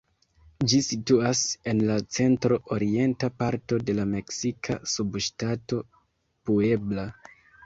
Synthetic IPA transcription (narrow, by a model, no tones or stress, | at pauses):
d͡ʒisituase̞nlat͡se̞ntɾo̞ʔoɾie̞ntapaɾto̞de̞lame̞ksikʰa̰subʃtato̞ | pue̞bla